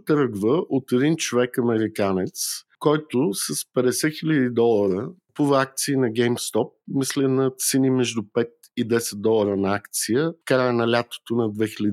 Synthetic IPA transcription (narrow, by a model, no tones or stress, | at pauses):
t̪ɾɡvəʔot̪ɛd̪int͡ʃovɛkɐmɛɾikanɛt̪skɔjt̪ʊsəspɛd̪ɛsɛxilʲɐd̪id̪ɔlˠəɾəpuvəak̚t̪siːnɐɡʲɛjmst̪ɔp̚mislʲɛnɐt̪sɛnimɛʒd̪upɛt̪̚ | id̪ɛsɛd̪̚d̪ɔlˠəɾənɐakt̪sijəkɾaɛnɐlʲat̪o̥t̪onɐd̪vɛxilʲɐd̪